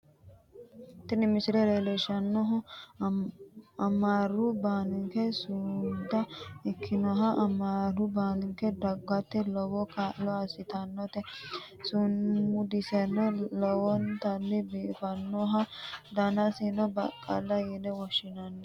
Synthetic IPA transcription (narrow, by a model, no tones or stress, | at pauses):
t̪ɪnɪmɪsɪɾɛɾeleʃɐnːɔɦʊ | ɐmaːrʊbaːnɪŋkɛsʊd̪ɐɛkʰːɪnɔɦɐʔɐmaːɾʊbaːnɪŋkɛd̪ɐɡːɐt̪ːɪlɔwɔkalɔɐsɪt̪ɐnːɔt̪ɛ | sʊnmʊd̪ɪsɛnːɔlɔwɔnt̪ɐnːɪbiːfɐnːɔɦɐd̪ɐnɐsinɔbɐkʼːɐ̰lːɐjɛdɛwɔʃɪnɐnːɛ